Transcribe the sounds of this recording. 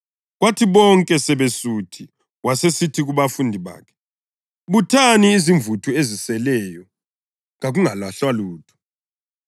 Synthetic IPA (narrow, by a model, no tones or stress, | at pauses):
ɣwatʰiβɔŋkʼɛsɛβesutʰi | wasesitʰiɣuβafundʱiβa̰ːkʰɛ̥ | βutʰaniːziɱvutʰuezisɛlɛjɔ | ŋaɣuŋalaɬwaluːtʰu̥